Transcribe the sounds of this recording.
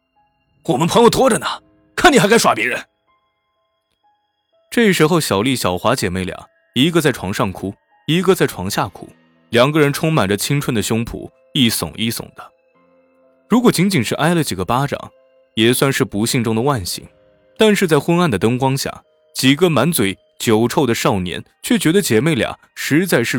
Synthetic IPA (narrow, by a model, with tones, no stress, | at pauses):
wɔ˨˩mə˦npʰɤ˧˥ŋjo˧˩ʊt̪wɔ˥ʈ͡ʂə˨nɐ˩ | kʰə˧˥ni˨˩xa˥ka˥ʂwa˥˩pjɛ˧˥ɻə˧˥n | ʈ͡ʂɤ˥˩i˥˩ʂɻ̩˧˥xo˥˧ʊɕjɑ˨˩ʊli˥˩ɕjɑ˨˩ʊxwa˧˥t͡ɕjɛ˨˩me˥˩ɪljɑ̰˨˩˦ŋ | i˧˥ɡə˧t͡sa˥˩ɪʈ͡ʂʰwɑ˧˥ŋʂɑ˥˩ŋkʰu˥ | i˧˥ɡə˧t͡sa˥˩ɪʈ͡ʂʰwɑ˧˥ŋɕja˥˩kʰṵ˨˩˦ | ljɑ˨˩ŋɡə˧ɻə˧˥nʈ͡ʂʰʊ˥ŋma˨˩nʈ͡ʂə˦t͡ɕʰi˥ŋʈ͡ʂʰwə˥˩nd̪ə˩ɕjʊ˥ŋpʰṵ˨˩˦ | i˥˩sʊ̰˨˩ŋʔi˥˩sʊ̰˨˩ŋd̪̥ə̥˦ | ɻu˧˥kwɔ˨˩t͡ɕi˧˥ŋt͡ɕi˨˩ŋʂɻ̩˥˧ʔa˥ɪlə˨t͡ɕi˨˩ɡə˦pa˥ʈ͡ʂɑ̰˨˩˦ŋ | jɛ˨˩swa˥˧nʂɻ̩˥˩pu˧˥ɕi˥˧ŋʈ͡ʂʊ˥ŋd̪ə˨˧wa˥˩nɕḭ˧˨˩ŋ | t̪a˥˧nʂɻ̩˥˧t͡sa˥˩ɪxwə˥na˥˩nd̪ə˩t̪ɤ˥ŋkwɑ˥ŋɕja̰˥˩ | t͡ɕi˨˩ɡə˧ma˧˥nt͡swe˨˩˥ɪ | t͡ɕjo˨˩ʊʈ͡ʂʰo˥˩ʊd̪ə˩ʂɑ˥˩ʊnjɛ̰˧˥n | t͡ɕʰɥɛ˥˩t͡ɕɥɛ˧˥d̪ə˧t͡ɕjɛ˨˩me˥˩ɪljɑ̰˨˩˦ŋʂɻ̩˧˥t͡sa˥˧ɪʂɻ̩˥˩